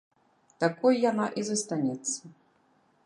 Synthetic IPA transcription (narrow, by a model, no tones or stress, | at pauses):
t̪akɔjjanaʔizɐst̪anʲɛt̪sːɐ